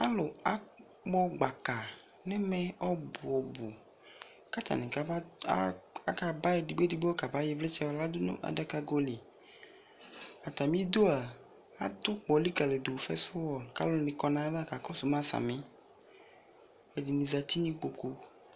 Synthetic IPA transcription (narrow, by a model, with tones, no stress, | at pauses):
a˦lʊ˨a˦ | k͡pɔ˦ɡ͡ba˨ka˨ | nɛ˦mɛ˦ɔ˦bʊ˨ɔ˨bu˨ | ka˦t̪a̰˨nɛ˨ka˦a̰˦ | a˦ka˨ba˦ɛ˨di˨ɡ͡be˦di˨ɡ͡be˦ɔ˦ka˨ba˦ji˦vlɛ˦t͡ʃɛ˦wɔ˨la˦d̪ʊ˦nʊ̰̃˦ʔa̰˨da˦ka˦ɡo˦li˨ | a˨t̪a˨mĩ˦d̪o˦a˨ | a˦d̪ʊ˦k͡pɔ˨li˦ka˨le˨d̪u˨fɛ̰˦sʊ˦wɔ˨lka̰˦lʊ˨nĩ˨kɔ˨nã˨˦va˦ka˨kɔ˦sʊ˨m˦ã˦sa̰˨mẽ˦ | e˨di˨nĩ˨za˨t̪i˦nĩ˦k͡po˨ku˦